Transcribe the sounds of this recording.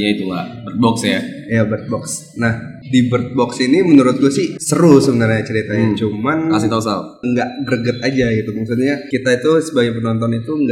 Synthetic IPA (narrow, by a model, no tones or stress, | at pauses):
jait̪ula̰bərt̪̚bɔksjajabərt̪̚bɔks | nahdibərt̪̚bɔksinimənuɾʊt̪̚ɡusɪhsəɾʊsəbənarɲat͡ʃəɾit̪ajat͡ʃumanasit̪ausa̰l | əŋɡaʔɡəɾəɡət̪̚ad͡ʒaɡit̪uməksut̪ɲakit̪ait̪usəbaɡajp̬ənɔnt̪̬ɔnit̪uŋɡa